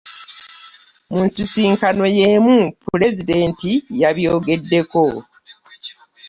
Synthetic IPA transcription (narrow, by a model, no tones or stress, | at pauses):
muːnsisiːŋkano̞je̞mupule̞zide̞ːntijaβjo̞ːɡe̞dːe̞ko̞